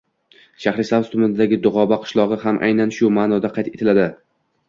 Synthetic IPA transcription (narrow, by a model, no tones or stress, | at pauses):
ʃahɾɪsavzt̪ʰʊmɪnd̪aɡʲɪd̪ʊʁɒbaqʰɨ̥ʃlˠɒʁɨhamʔa̰jnanʃʊmaːnɒd̪aqʰɑjt̪ʰe̞t̪ʰɪlad̪ɪ